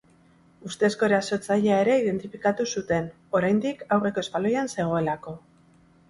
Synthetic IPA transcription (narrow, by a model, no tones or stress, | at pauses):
ust̪e̞sko̞eɾaso̞t͡saʎeae̞ɾe̞iðe̞nt̪ifikat̪usut̪e̞n | o̞ɾajnd̪ikawre̞ko̞e̞spalo̞janse̞ɣ̞o̞e̞lako̞